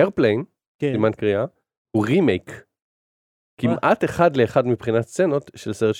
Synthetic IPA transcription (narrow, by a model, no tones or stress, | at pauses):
eʁplen | imankʁia | huʁimejk | kːimʔat̪eχadleːχad̪mipχinatt͡seno̞t̪ʃelseʁet